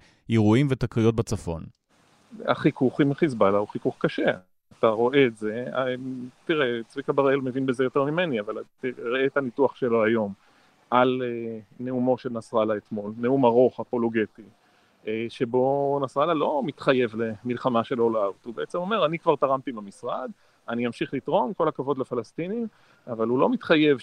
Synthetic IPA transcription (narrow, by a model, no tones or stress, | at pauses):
jeʁuimvet̪akʁijot̚bat͡safo̞̰n | a̰χikuχimχizbalauχikuχkaʃe̞ | ataʁo̞ʔe̞ːtze̞at̪iʁet͡svikabaʁelmevinbeze̞jo̞teʁmime̞niavaltiʁeːt̪anituaχʃe̞lo̞ajo̞m | ʔalene̞umo̞ʃelnasʁalaet̪mo̞lneumaʁo̞χapo̞lo̞ɡe̞t̪i | eʃe̞bo̞nasʁalalo̞mit̪χaje̞vle̞milχamaʃe̞lo̞lavt̪hubeʔet͡semo̞me̞ʁanikvaʁt̪aʁamt̪imlamisʁad̪ | aniamʃiχlit̪ʁo̞mko̞lakavo̞d̪lefalast̪inim | avalulo̞mit̪χaje̞v